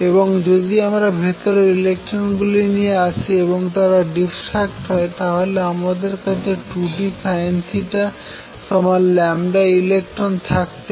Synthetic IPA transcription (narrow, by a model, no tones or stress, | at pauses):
eboŋd͡ʑod̪iamɾabʱit̪oɾeɾilek̚ʈɾonɡulinijeat͡ɕʰieboŋt̪aɾaɖifʈak̚ʈɦɔet̪aɦoleamad̪eɾkat͡ɕʰeʈuʈisajensiʈa | ʃɔmalːɛmɖailek̚ʈɾont̪ʰakt̪e